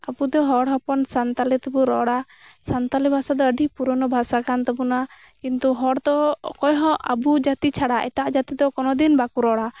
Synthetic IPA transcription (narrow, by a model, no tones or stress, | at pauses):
abud̪ɔɦɔɽɦɔpɔnsant̪alɛt̪ɛbuɾɔɽa | sant̪alɛbʱasad̪ɔəɖʱipuɾɔnɔbʱasakant̪ɛbuna | kint̪uɦɔɽd̪ɔkɔjɦɔ̃ʔa̰bud͡ʒat̪it͡ʃʰaɽaʔɛ̰ʈaʔd͡ʒat̪id̪ɔkɔnɔd̪inbakuɾɔɽa